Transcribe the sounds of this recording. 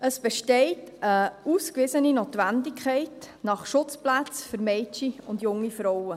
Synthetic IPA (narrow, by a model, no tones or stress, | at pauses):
əsb̥ɛʃtɛɪtəuskʋɪsəninoːtʋændɪkχɛɪt | nɑχʃʊt͡splæt͡sfʏɾmɛɪt͡ʃiʊndjʊŋːifɾɔwə